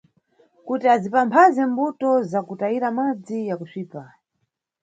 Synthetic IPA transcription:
kutiazipampʰazɛmbutɔzakutaiɾamad͡zijakuʂiːpa

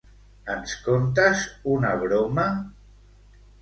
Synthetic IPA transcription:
ənskont̪azunaβɾoma

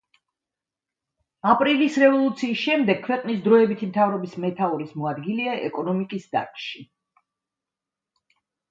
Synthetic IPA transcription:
apʼɾilisɾɛvɔlˠut̪sʰiːsʃɛmd̪ɛɡ̚kʰwɛqʼnisd̪ɾɔɛbit̪ʰimt̪ʰavɾɔbismɛt̪ʰauɾismɔad̪ɡiliaʔɛ̰kʼɔnɔmikʼisd̪a̰ɾkʰʼʃi

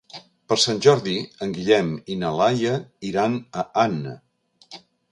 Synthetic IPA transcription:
pəɾsanʲʒɔɾðiəŋɡiʎɛminəlajəiɾanəanə̰

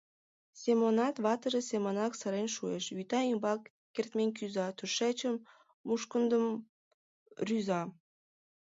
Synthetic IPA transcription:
semonɑt̪βɑt̪əʒesʲemonɑksə̆ɾenʃuḛʃyt̪ɑimbɑkː | ert̪menk̬yzɑt̪uʃæt͡ɕəmː | uʃkənd̪əm | ryzɑ

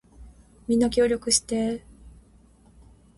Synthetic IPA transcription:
mʲĩnːakʲo̞ːɾʲo̞kɯ̟ɕi̥t̪e̞

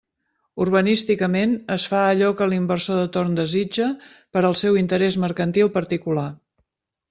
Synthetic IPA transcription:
urβənist̪ikəmenəsfaəʎɔkəlimbərsoðət̪ornd̪əzid͡ʒəpəɾəlˠsɛwint̪əɾɛzməɾkənt̪ilˠpəɾt̪ikula

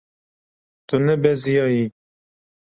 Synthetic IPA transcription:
t̪unɛbɛzijɑːji

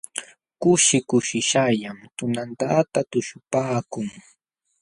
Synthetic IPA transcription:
kʊʃɪkʊʃɪʃajamt̪ʊnant̪at̪at̪ʊʃʊpaːkʊŋ

